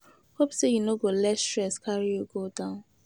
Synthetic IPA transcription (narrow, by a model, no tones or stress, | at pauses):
hopsejunoɡolɛtstɹɛskʰaɹijoɡodãʊ̃n